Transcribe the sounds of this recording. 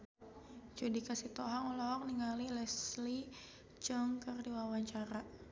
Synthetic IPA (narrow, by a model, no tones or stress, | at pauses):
t͡ʃudikasit̪oɦaŋɔlɔk̚niŋalilɛsli | t͡ʃəŋkərdiwawaɲt͡ʃaɾa